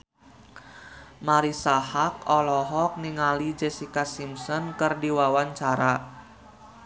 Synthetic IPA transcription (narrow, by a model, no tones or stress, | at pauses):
maɾisahak̚ɔlɔɦɔk̚niŋalid͡ʒɛsikasimsɔnkɨrdiwawaɲt͡ʃaɾa